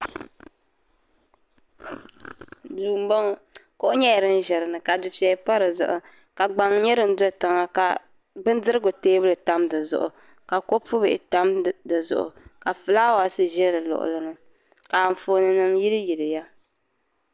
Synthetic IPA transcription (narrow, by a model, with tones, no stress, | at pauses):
duː˨m̩˦bɔ˦ŋ˦ko˦ʔʊ˦ɲɛ˦jɛ˨ɾɨ˦n̩˦ʒɛ˨ɾɨ˨nɨ˨ka˨dʊ˨pi˨ɛ˨pa˦ɾɨ˨zʊ̰˨ʔʊ˨ | ka˨ɡ͡ba˨ŋ˦ɲɛ˦ɾɨ˨n̩˦do˦˨ta˨ŋa˦ka˨ | bɨ˦n˦dɨ˦ɾɨ˦ɡʊ˨teː˦bɨ˦lɨ˨ta˦mdɨ˨zʊ̰˨ʔʊ̰˨ | ka˨ko˦pʊ˦bɨ˨ʔɪ˨ta˦mdɨ˨zʊ̰˨ʔʊ̰˨ka˨fɨ˨laː˦wa˨sɨ˦ʒɛ˦lɨ˨lʊ̰˨ʔʊ̰˨lɨ˦nɨ˦ | ka˨ɱ˨foː˨nɨ˨nɨ˦mji˦lɨ˦ji˨lɨ˨ja˦